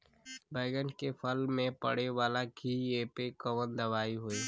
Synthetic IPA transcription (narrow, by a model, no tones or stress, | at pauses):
bəɪɡənkepʰəlmẽpə̰ɽeʋaːlakieːpekəwənd̪ɐʋaːiɦoeː